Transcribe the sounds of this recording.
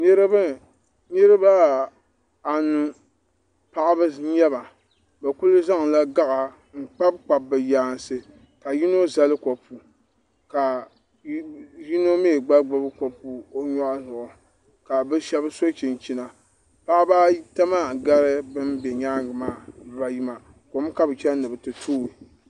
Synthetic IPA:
nɨ˦ɾɨ˦bɨ˦ | nɨ˦ɾɨ˦ba˦ | a˨nu˦ | pa˦ʔa˦bɨ˦ɲɛ˦ba˨ | ba˨ku˦lɨ˦za˦ŋ˨la˦ɡa˦ʔa˨ | ŋ̩˨k͡pa˦b̚k͡pa˨bɨ˨jaː˨n˨sɨ˨ | ka˨ji˦no˦za˦lɨ˦ko˨pu˨ | ka˨ | ji˦no˦meː˦˨ɡ͡ba˦ɡ͡ba˦bɨ˦ko˨pu˨o˦ɲɔ˦ʔzʊ˨ʔʊ˨ | ka˨bɨ˦ʃɛ˦bɨ˦so˦t͡ʃi˨n˨t͡ʃi˦na˨ | pa˦ʔa˦ba˦ta˦ma˦˨ɡa˦ɾɨ˦bɨ˦mbɛ˨ɲa˦ŋ˦ɡɨ˨maː˦˨ba˨ji˦ma˨ | ko˨˦m˦ka˦bɨ˨t͡ʃɛ˦nɨ˨bɨ˨tɨ˨tʰoː˦i˨

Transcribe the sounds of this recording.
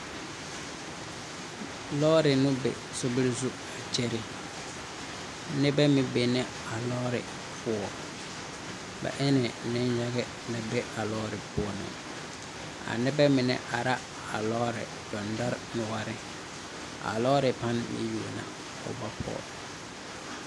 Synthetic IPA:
lɔː˦ɾɪ˨nʊ˦bɛ̰˨ | sʊ˦bɪ˦lzu˦ | a˨t͡ʃe˦ɾɪ˦ | nɛ˦bɛ˦mɪ˦be˨nɛ˦ | a˨lɔː˦ɾɪ̰˨ | fʊ˦ɔ˨ | ba̰˨ʔɪ˦nɪ˨nɪ̃˦nja˦ɣɛ˦ | na˨bɛ˦a˨lɔː˦ɾɪ˨pʊ˦˨nɪ̰˨ | a̰˨nɛ˦bɛ˦mɪ˨nɛ̰˨ʔa˨ɾa˦ | a˨lɔ˦ɾɪ̰˨ | dɔ˨nda˦ɾnʊ˨wa˦ɾɪ˦ | a̰˨lɔː˦ɾɪ˨pa˦nmɪ̰˨ju˨na̰˨ | ʊ̰˨ba˦pʰɔ̰ː˨

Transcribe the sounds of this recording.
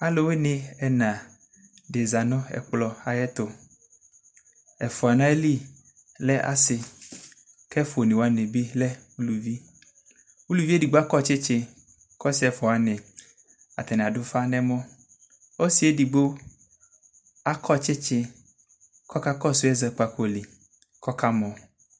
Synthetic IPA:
a˨lo˨we˦nẽ˦ɛ˨nã˨ | ɖe˨za˨nɔ̃˦ɛ̰˨k͡plɔ˦a˨jɛ˦t̪o˨ | ɛ˨fɔ˨a˨nã˦e˦li˦ | lɛ˦ʔa̰˦sɪ˨ | kɛ˦fo˨ne˨wo˨a˨nẽ˨bi˦lɛ˦wu˦lu˨vi˦ | wu˦lu˨vi˦e˦di˨ɡ͡bo˦a˦kɔ˦t͡ʃe˦t͡ʃe˦ | kɔ˦si˨˦ɛ˨fɔ˨a˨nɛ̃˨ | a̰˨t̪ɛ˨nɛ̃˨a˨ɖo˦fa˦nɛ̃˦mɔ̃˦ | o˦si˨˦e˦di˨bo˦ | a˦kʰɔ˦t͡ʃe˦t͡ʃe˦ | kɔ˦ka˦kɔ˦su˦ɛ˦zɛ˨k͡pa˨ko˦li˨ | kɔ˦ka˦mɔ̃˨

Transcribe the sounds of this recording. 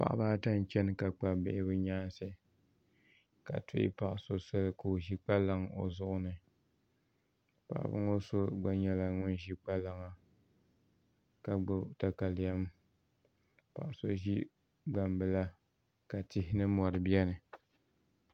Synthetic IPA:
pa̰˨ʔa̰˨baː˦ta˦n˨t͡ʃɛ˦n˦ka˨k͡pa˨bɪ̰˦ʔɪ˦bɨ˦ɲaː˦nsɨ˦ | ka̰˨tʊ˦ʔɪ̰˦pa˨ʔso˦sa˦lko˨o˨ʒi˦k͡pa˦la˦ŋo̰˨zʊ˦ʔʊ˦nɨ˨ | pa̰˨ʔbɨ̰˦ŋo˦so˦ɡ͡ba˨ɲɛ˨la˨ŋʊ˦n˦ʒi˦k͡pa˦la˨ŋa˨ | ka˨ɡ͡bʊ˨˦ta˨ka˨lja˦m | pa̰˨ʔso˦ʒi˦ | ɡ͡ba˨mbɨ˨la˦ | ka˨tɪ˦hɪ˦nɨ˦mɔ˨ɾɨ˨bi˦ɛ˦nɨ˨

